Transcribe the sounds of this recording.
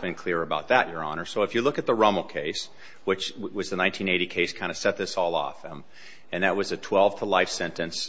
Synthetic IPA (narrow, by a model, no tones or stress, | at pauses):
b̥ɨ̃nkʰl̥ɪɹɨbaʊt̪̚ðɨt͡ʃə˞ɑ̰nə˞soʊɨfjɨlʊkɨt̪̚ðəɹʌ̃ml̩ˠkʰeɪs | wɨt͡ʃwʌzðɨnãɪ̃ntʰĩneɪɾikʰeɪskʰãɪ̃ndɨsɛt̪̚ðɪsɔlˠɔ̰fm | ɨ̃nðɨt̚wʌzɨtʰw̥ɛlˠv̥tʰəlaɪfsɛ̃ntɨ̃ns